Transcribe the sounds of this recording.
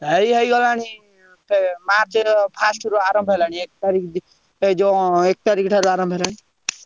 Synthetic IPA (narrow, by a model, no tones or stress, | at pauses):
əiɦəjɡɔlaːñi | pemaːɾt͡ʃepʰaːsʈɾoaːɾɔmbʱɦelaːɽ̃iek̚t̪aɾikʰ | d͡ʒõek̚t̪aɾiːkʈʰaɾoaːɾɔmbʱelaːɽ̃i